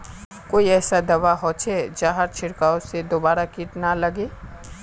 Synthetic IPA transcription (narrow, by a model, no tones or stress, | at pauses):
koːiɛːsad̪ɐʋaɦot͡ʃʰɛd͡ʒaːɦaɾt͡ʃʰɪɽkaːõsed̪oːbaːɾakiːʈnalɐɡeː